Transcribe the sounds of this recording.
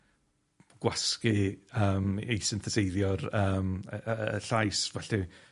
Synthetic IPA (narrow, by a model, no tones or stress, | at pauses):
ɡ̥waskɨəːmejsɪnθəsejðjɔrəːm̰ | ɬajsvɛɬɨ